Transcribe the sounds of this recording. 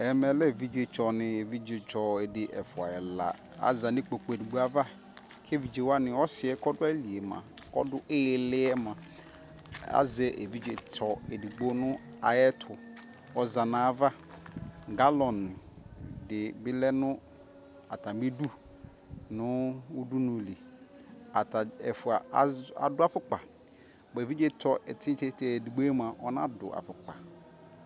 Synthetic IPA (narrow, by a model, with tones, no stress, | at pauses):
ɛ˨mɛ˨lɛ˦˨vi˦d͡ʒe˨t͡ʃɔ˨nɪ̃˨e˨vi˦d͡ʒe˨t͡ʃɔ˨e˨dɪ˨ʔɛ˨fʊ˨a̰˨ɛ˨la̰˨ | a̰˦za˨nɪ̃˦k͡po˨k͡po˨e˨di˨ɡ͡bo˦a˨va˦ | kʰe˦vi˨d͡ʒe˨wa˦nɪ̃˨ɔ˦sɪ˨ɛ˦kɔ˦dʊ˦a˦li˨e˨mã̰˨ | kɔ̰˦dʊ˦ʔe˦˨lɪ˦ɛ˦mã˨ | a̰˦zɛ˦ʔḛ˨vi˦d͡ʒe˨tʰɔ˨e˨di˨ɡ͡bo˦nʊ̃˦ | a˨jɛ˦tʰʊ˨ | ɔ˦za˨nã˨va˦ | ɡa˦lɔ̃˨n˨dɪ˨bɪ˦lɛ˦nʊ̃˦ | a˨tʰã˨m˦bi˦du˦ | nʊ̃˦u˦du˦nʊ̃˨li˨ | a˨ta˨ɛ˨fʊ˨a˨˦a̰˨dʊ˦a˨fʊ˨k͡pa˨ | be˨vi˦d͡ʒe˦˨tʰɔ˨ʔɛ˨tʰɪ̃˦t͡ʃe˦tɛ˨di˨ɡ͡bo˦ɛ˦mã˨ʔɔ˦nã̰˦dʊ̰˨ʔa̰˨fʊ˨k͡pa̰˨